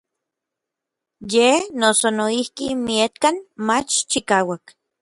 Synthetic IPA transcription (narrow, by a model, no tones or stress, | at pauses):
jenosonoihkimiet̪kanmat͡ʃt͡ʃikaːwak